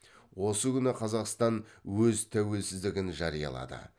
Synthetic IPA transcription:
wo̞səkʲʏnɪqʰɑzɑqst̪ɑnwɵzt̪ʰæwe̞lsɪzd̪ɪɡʲɪnʒɑɾijɑ̰lˠɑ̰d̪ə̰

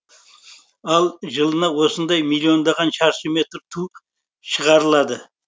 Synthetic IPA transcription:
ɑlˠʒəlˠənɑwo̞sənd̪ɑjmilʲːio̞nd̪ɑʁɑnʃɑɾʃəme̞t̪ɾt̪ʰu | ʃəʁɑɾəlˠɑd̪ə

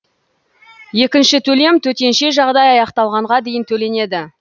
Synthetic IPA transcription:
je̞kʲɪnʃɪt̪ʰɵle̞mt̪ʰɵt̪e̞nʃe̞ʒɑʁd̪ɑjɑjɑqt̪ɑlˠʁɑɴʁɑd̪e̞jɪnt̪ʰɵle̞ne̞d̪ɪ

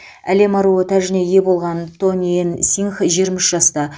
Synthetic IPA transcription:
æ̰le̞mɑɾuot̪ʰæʒɪne̞je̞bo̞lˠʁɑnt̪ʰonʲiensʲiŋχʒieɾmɪʃʒɑst̪ɑ

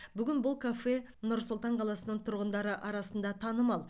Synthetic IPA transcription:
bʏɡʲɪnbʊlˠkʰafe̞ | nʊɾsʊlˠt̪ɑɴqʰɑlˠɑsənəɴt̪ʰʊɾʁənd̪ɑɾəʔɑɾɑsənd̪ɑt̪ʰɑnəmɑlˠ

